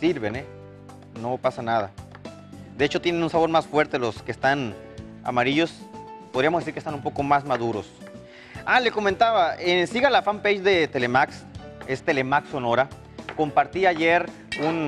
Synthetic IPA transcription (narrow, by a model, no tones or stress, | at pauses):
siɾβe̞ne | no̞pasanaða̰ | d̪eet͡ʃo̞t̪je̞nenunsaβo̞ɾmasfwe̞ɾt̪e̞lo̞skest̪an | a̰maɾiʝo̞spoðɾiamozðiɾkest̪anumpo̞ko̞mazmaðuɾo̞s | ale̞ko̞ment̪aβaensiɣalafampejd͡ʒd̪e̞t̪e̞le̞maksest̪e̞le̞makso̞no̞ɾa | ko̞mpaɾt̪iaʝeɾ | un